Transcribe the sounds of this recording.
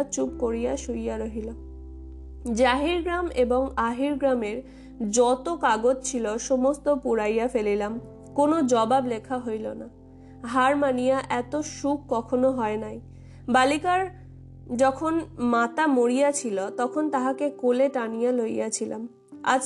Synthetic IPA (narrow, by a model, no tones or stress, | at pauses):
t͡ɕup̚koɾijaʃujaɾoɦilam | d͡ʑaɦiɾɡɾameboŋaɦiɾɡɾameɾ | d͡ʑɔt̪okaɡod͡ʑt͡ɕʰiloʃomost̪opuɾajafelilam | konod͡ʑɔbablekʰaɦojlo̰na | ɦaɾmanijaʔɛt̪oʃuk̚kɔkʰonoɦɔenaj | balikaɾ | d͡ʑɔkʰonmat̪amoɾijat͡ɕʰilot̪ɔkʰont̪aɦakekoleʈanijalojjat͡ɕʰila̰m | a̰d͡ʑ